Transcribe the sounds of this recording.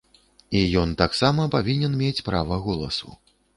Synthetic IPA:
ijɔnt̪aksamɐpavʲinʲɛnmʲet͡sʲpɾavɐɣɔlˠɐ̰sṵ

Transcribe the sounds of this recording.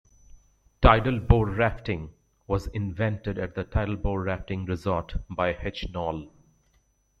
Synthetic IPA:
ʈaɪʈəlboːɾɾæfʈɪ̃ŋ | ʋɔzɪ̃nvɛ̃nʈɪɖæʈ̚d̪əʈʰaɪɾəlboːɾæfʈɪ̃ŋɾɪzɔːɾʈbaɪhɛt͡ʃnɔːl

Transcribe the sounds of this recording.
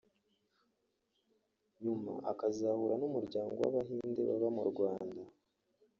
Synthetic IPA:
ɲuma̰ʔakaziahuɾanumuɾɟaːŋɡowa̰βaɦiːndḛβa̰βamuɾɡwaːnda

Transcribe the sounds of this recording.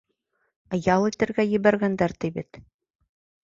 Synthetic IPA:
ɤjɑlˠit̪ɘ̆ɾɡæjɘ̆βæɾɡænd̪æɾt̪ɘjbɘt̪

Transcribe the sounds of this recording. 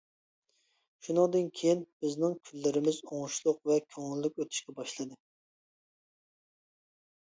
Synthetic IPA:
ʃunɨŋd̪ɨnkʲʰejinb̥ɪznɪŋkʲʰylːɪɾɪmɪzoŋʃlˠʊqvɛkʲʰøŋɪlːykʲøt̪ʰy̥ʃkʲɛbɑʃlˠɨd̪ɨ

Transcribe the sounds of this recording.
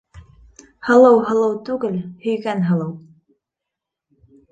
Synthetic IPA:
hɤ̆lˠɤwɦɤ̆lˠɤwt̪ʉɡɘlhɵ̆jɡænɦɤ̆lˠɤw

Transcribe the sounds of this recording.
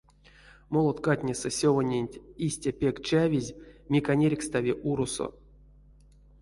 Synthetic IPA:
molˠot̪katʲnʲesɛsʲovanʲenʲtʲisʲtʲapʲe̞kt͡ʃavʲizʲmʲikanʲeɾʲkst̪avʲiʔuɾuso̰

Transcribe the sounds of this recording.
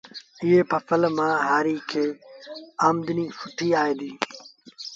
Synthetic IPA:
ɪeːpʰɐfəlmãːɦaːɾiːkʰeː | aːmd̪ɪniːfʊʈʰiːaːeːd̪iː

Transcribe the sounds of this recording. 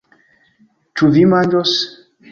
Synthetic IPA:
tuvimand͡ʒɔs

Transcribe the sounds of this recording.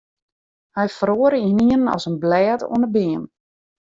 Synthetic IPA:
hɛjfroəɾəhniənənɔ̰sənblɛːto̰ənəbeːən

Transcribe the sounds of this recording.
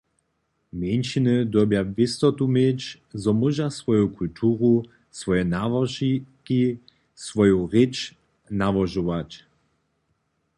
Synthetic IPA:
mjenʃinəd̪wɔbjavɪst̪ɔt̪umet͡ɕ | zɔmuʒasvɔjukult̪ʰuːʁu | svɔjɛnavɔʒiki | svɔjuʁet͡ʃ | navɔʒɔʋat͡ɕ

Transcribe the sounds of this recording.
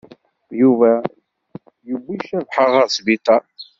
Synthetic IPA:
juvæ | jəbːiʃævħəʁæsbit̪ˤɑ

